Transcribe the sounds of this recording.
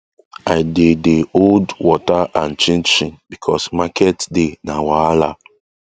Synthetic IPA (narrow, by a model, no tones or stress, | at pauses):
ajdedeoldwɔtaãnt͡ʃĩnt͡ʃĩnbikʰɔsmakʰɛtdenawaala